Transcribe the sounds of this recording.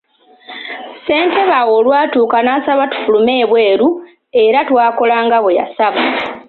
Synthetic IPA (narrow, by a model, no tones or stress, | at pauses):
se̞ːnte̞βawo̞lwaːtuːkanaːsaβatu̥fulume̞ːβwe̞ːɾu | e̞ɾatwaːko̞laːŋɡaβweja̰saβa